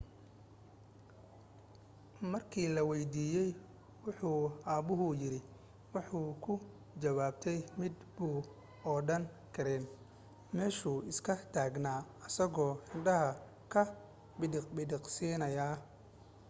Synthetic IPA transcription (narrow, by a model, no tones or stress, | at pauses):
mɐrkʰiːlɐwɛjd̪iːjɛj | wɑħuːaːbʊɦʊjɪɾɪ | wɑħuːkʰʊ | d͡ʒɐβaːbt̪ʰɛjmɪd̪buː | ɔːɖɐn | kʰɐɾɛːn | mɛːʃuːɪskʰɐt̪ʰaːɡnaːɐsɐɣɔːħɪnɖɐɦɐ | kʰɐ | bɪɖbɪɖɪqsiːnɐjaː